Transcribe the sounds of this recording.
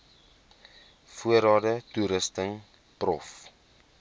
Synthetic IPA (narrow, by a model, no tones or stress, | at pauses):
fuəɾɑːdətuɾəstəŋ | prɔf